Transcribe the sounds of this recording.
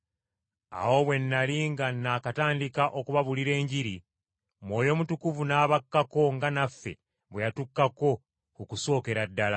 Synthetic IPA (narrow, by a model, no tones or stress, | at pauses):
a̰wo̞βwe̞nːaliŋɡanːakataːndikaʔo̞kuβaβuliɾe̞ːɲɟiɾi | mwo̞ːjo̞mutukuvunaːβakːako̞ŋɡanafːe̞̰ | βwejatukːako̞ | kukuso̞ːke̞ɾadːala